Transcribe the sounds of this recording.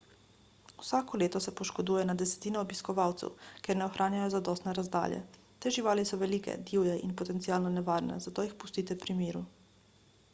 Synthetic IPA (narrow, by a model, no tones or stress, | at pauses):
uwsaːkɔleːt̪ɔsɛpɔʃkɔd̪uːjɛnad̪ɛsɛ̥t̪iːnɔːbiskɔʋaːwt̪sɛ̰wkeɾnɛɔxɾʔaːnjajɔzad̪ɔːst̪nɛɾazd̪a̰ːljɛ̰ | t̪eːʒiʋaːlisɔʋɛliːkɛ̰d̪iwjɛʔḭnpɔt̪ɛnt̪siaːlnɔnɛʋaːɾnɛ̰zat̪oːjixpu̥st̪iːt̪ɛpɾimeːɾu